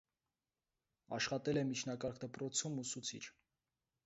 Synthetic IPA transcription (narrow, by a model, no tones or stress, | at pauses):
ɑ̰ʃχɑt̪ɛlɛmit͡ʃʰnɑkɑɾkd̪əpɾɔt͡sʰumusut͡sʰḭt͡ʃʰ